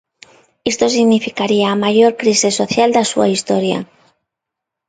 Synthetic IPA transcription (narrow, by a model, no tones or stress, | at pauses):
est̪o̞s̬iɣnifikaɾiaːmaʝoɾkɾisesoθjald̪asua̰ist̪oɾja̰